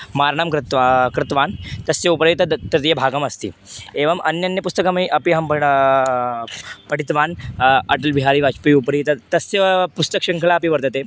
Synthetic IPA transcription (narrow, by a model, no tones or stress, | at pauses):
maɾɳamkɾɪt̪kɾɪt̪ʋant̪ɐsjeupɾit̪ət̪ɐt̪jebʱaɡəmɐst̪ḭːeʋɐmʔɐnjɐnjəpust̪əkamiʔɐpiɦɐmp | pɐʈit̪ʋanɐʈəlbʱiɦaɾiːʋat͡ʃpiupɾit̪ɐt̪ɐsjepust̪əkɕɐŋkʰlaːpiʋɐɾt̪ət̪e